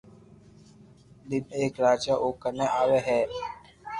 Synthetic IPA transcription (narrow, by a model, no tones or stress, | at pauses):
lɪmeːkɾaːd͡ʒaːʔoːkəneːʔaːʋeːɦɛː